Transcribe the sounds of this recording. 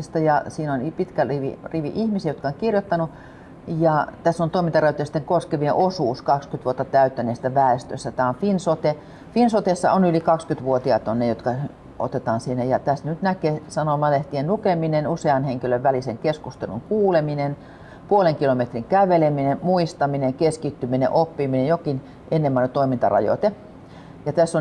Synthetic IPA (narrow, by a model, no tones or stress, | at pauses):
st̪ɑjɑsiːnonpit̪kæiʋḭriʋḭʔihmisiejot̪̚kɑoŋkirjot̪ːɑnu | jɑt̪æsːont̪oimint̪ɑræyt̪ːˑst̪ːeŋkoskeʋieʔosuːskɑkskyt̪ʋuot̪ːɑt̪æyt̪ːæneːst̪æʋæest̪ø̰sːæt̪æːonfinsot̪e | finsot̪esːɑ̰onylikɑkskyt̪ʋuot̪iɑt̪onːejot̪kɑ | o̰t̪et̪ɑːnsinːæjɑt̪æst̪nyt̪nækesɑnomɑleht̪ienlukeminenuseɑnheŋkiløʋʋæliseŋkeskust̪ḛlṵŋkuːleminen | puoleŋkilomet̪riŋkæʋeleminemmuist̪ɑmineŋkeskit̪ːyminḛʔopːiminejokin | ʔenːemːɑˑnet̪oimint̪ɑ̰rɑ̰jo̰t̪e | jɑt̪æsːon